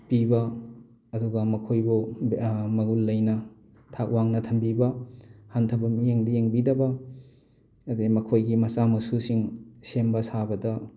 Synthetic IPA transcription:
pibɐ | ɐduɡɐmɐkʰojbu | mɐɡulːɐjnɐ | tʰak̚waŋnɐtʰɐmbibɐhantʰɐbɐmijeŋdɐjeŋbidɐbɐ | ɐdemɐkʰojɡimɐsamɐsusiŋsembɐsabɐdɐ

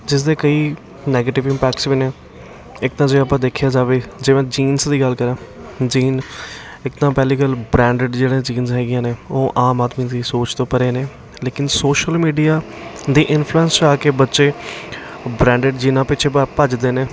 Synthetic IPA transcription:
d͡ʒɪs̬d̪eːkəiː | nɛːɡeːʈɪʋɪ̃mpɛːkʈsʋiːneː | ɪk̚t̪ãːd͡ʒeaːpãːd̪eːkʰjaːd͡ʒaːʋeːd͡ʒeːʋãːd͡ʒiːnsd̪iːɡəlkəɾãːd͡ʒiːn | ɪkt̪ãːpɛːliːɡəlbɾɛ̃ːɳɖɪɖd͡ʒeːɽẽːd͡ʒiːnzɦɛːɡɪjãːneːoːʔaːmaːd̪miːd̪iːsoːt͡ʃt̪õːpəɾeːneː | leːkɪnsoːʃəlmiːɖijaːd̪iːʔɪnpʰluːɛ̃nst͡ʃaːkeːbətːʃeː | bɾɛ̃ːɳɖeɖd͡ʒiːnãːpɪt͡ʃʰeːppəd͡ʒd̪eːneː

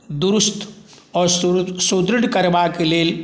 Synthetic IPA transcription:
d̪uɾust̪ | ɔɾssud̪ɾiɽkəɾʋakeleːl

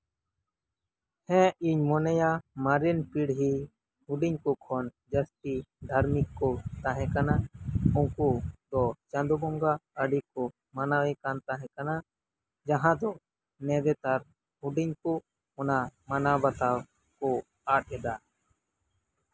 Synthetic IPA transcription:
hɛ̃iɲmɔnɛjamaɾinpiɽɦi | huɖiɲkɔkʰɔn | d͡ʒəsʈid̪ʱaɾmikːɔt̪aɦɛ̃kanaũkud̪ɔt͡ʃãnd̪ubɔŋɡaəɖikɔ | manawɛkant̪aɦɛ̃kana | d͡ʒaɦãd̪ɔ | nɛ̃d̪ɛt̪aɾ | huɖiɲku | ɔnamanabat̪aw | kɔ | aɗ̚ɛd̪a

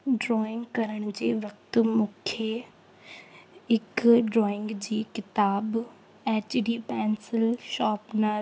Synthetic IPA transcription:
ɖɾɔːɪ̃ŋɡkɐɾəɽ̃ʊd͡ʑeːʋɐk̚t̪ʊmũːkʰe | ɪkɖɾɔːɪ̃ŋɡd͡ʑiːkɪt̪aːb | eːt͡ɕɖiːpɛ̃ːnsɪlʃaːpna

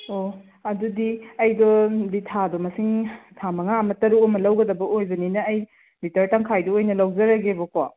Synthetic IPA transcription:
o | ɐdudiɐjdɔditʰadɔmɐsiŋtʰamɐŋaɐmɐtɐɾuɔmɐlɐwɡɐdɐbɐʔojbɐninɐːj | bitɐɾtaŋkʰajdɔojnɐlɐwd͡ʒɐɾɐɡebɔka

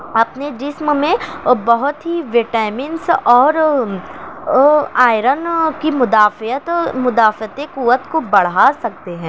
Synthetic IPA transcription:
ɐpned͡ʒɪsmmẽbɐɦʊt̪ɦiʋeːʈaːmɪnsɔːɾ | aːɪɾənkimʊd̪aːfət̪mʊd̪aːfət̪ẽkuːʋət̪kobɐɽ̤aːsɐk̚t̪eɦɛ̃ː

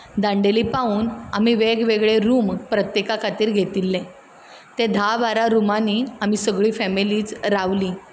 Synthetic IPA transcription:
d̪ãɳɖeliːpauːna̰miʋeɡʋeɡɭeɾuːmpɾət̪jekakʰat̪iːɾɡʱet̪ilːẽ | t̪ed̪ʱaʋaɾaɾumaniam̤isəɡɭiːfɛmiliːt͡sɾaʋliː

